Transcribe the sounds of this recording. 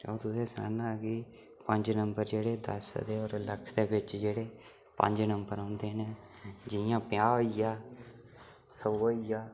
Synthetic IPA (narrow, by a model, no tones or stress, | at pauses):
a̰ːt̪ʊseːsəɾa̰ːnãːɡiː | pəɲd͡ʒnəmbəɾd͡ʒeːɽeːd̪ə̰sd̪eːɔːɾləkʰd̪eːbɪt͡ʃd͡ʒeːɽeː | pə̰ɲd͡ʒnəmbəɾãːnd̪eːnẽː | d͡ʒɪjãːpɪjaːijaː | səoːijaː